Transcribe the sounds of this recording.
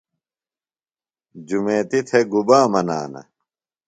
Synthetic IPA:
d͡ʑumeːt̪it̪ʰeɡubaːmɐna̰ːnɐ̰

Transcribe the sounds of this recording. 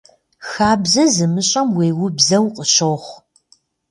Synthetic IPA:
xaːbzɐzɨmɨɕʼɐmweːwʊbzɐwqʼəɕoːχʷ

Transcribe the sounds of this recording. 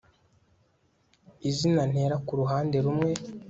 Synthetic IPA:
izinan̥he̞ːɾakuɾuɦaːnde̞ɾumŋe̞

